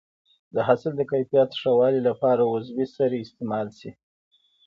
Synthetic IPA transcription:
d̪əɦasɪld̪əkajfijat̪ʂawɑlilapɑɾawʊzwisaɾeɪst̪emɑlsi

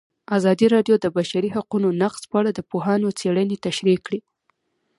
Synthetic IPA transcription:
azɑd̪iɾɑɖjod̪əbaʃaɾiɦaqunonaqz̥pəaɽad̪əpoɦɑnot͡seɽənet̪aʃɾikɽi

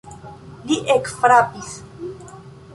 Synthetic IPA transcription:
liʔekfɾapis

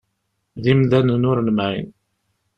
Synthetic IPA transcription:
ðimðænənʊɾlmʕḭn

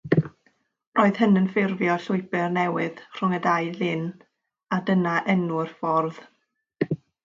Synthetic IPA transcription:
roːɨð̥ɦənənfɪrvjɔɬʊɨbɨrnɛwɪðr̥ʊŋədajlɪn | adənaʔɛnʊrfɔrð

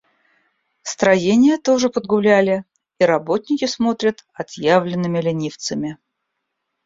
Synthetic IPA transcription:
st̪ɾɐjenʲɪjət̪o̞ʐɨpəd̪ɡʊlʲælʲɪ | iɾɐbo̞t̪ʲnʲɪkʲɪsmo̞t̪ɾʲət̪ɐt̪javlʲɪnːɨmʲɪlʲɪnʲift̪səmʲɪ

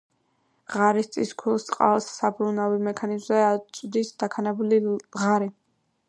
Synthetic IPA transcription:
ʁaɾist̪sʼḭskʰulˠst̪sʼqʼa̰vsːabɾunavimɛkʰanizmzɛad̪isd̪̥akʰanɛbuliʁaɾi

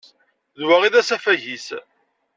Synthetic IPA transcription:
ðwaʁiðæsæfæʝis

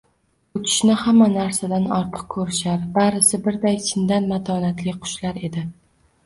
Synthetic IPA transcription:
ʊt͡ʃʰɪ̥ʃnɪhamːanaɾsad̪anɒɾt̪ʰɨ̥q̚kʰɵɾɪʃaɾbaɾɪsɪbɪɾd̪ajt͡ʃʰɪnd̪anmat̪ʰɒnat̪lɪqʰʊ̥ʃlaɾe̞d̪ɪ

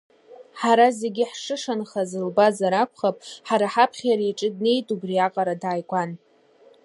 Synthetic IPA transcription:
ħaɾaze̞ɡʲɪħʂɨʂanχazɨlbazaɾakʷʰχapʼħaɾaħapʰχʲjaɾaiʈ͡ʂʼɨdne̞jtʼubriaqʼaɾadaːjkʷʼan

